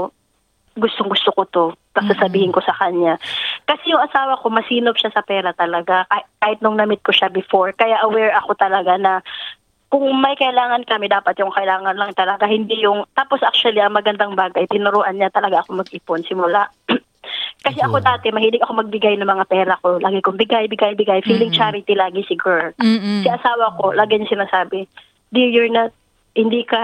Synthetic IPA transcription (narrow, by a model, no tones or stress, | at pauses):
ɡʊst̪oŋɡʊst̪okot̪o̞p̪ɐɡsasɐbiːhɪnko̞sɐkɐɲakɐsɛjʊŋʔɐsaːwɐko̞mɐsiːnob̚ʃasɐpɛːɾɐt̪ɐlɐɡakakaːhɪt̪̚noŋnɐmɪt̪̚koʃabɪfo̞ɹkɐjaʔɐwɛɹɐko̞t̪ɐlɐɡanɐ | kʊŋmɐjkɐʔɪlaːŋɐnkɐmɪd̪aːpɐt̪jʊŋkɐʔɪlaːŋɐnlɐŋt̪ɐlɐɡahɪnd̪ijʊŋt̪aːpo̞sʔak̚t͡ʃʊɐliʔɐŋmɐɡɐnd̪aŋbaːɡɐjt̪ɪnʊɾoːʔɐnːɲat̪ɐlɐɡaʔɐko̞mɐɡ̚ʔiːponsɪmʊlaʔ | kɐsɛʔɐko̞d̪aːt̪ɛmɐhiːlɪɡɐko̞mɐɡ̚bɪɡajnɐŋmɐŋapɛːɾɐko̞lʔaːɡɪkʊŋbɪɡajbɪɡajbɪɡajfiːlɪŋt͡ʃaɾɪt̪ilaːɡɪsɪɡɛɾlsɪʔɐsaːwɐko̞laːɡɪɲŋsɪnaːsaːbɪ | d̪ɪɹjʊɹnat̪̚ | hɪnd̪iːkɐ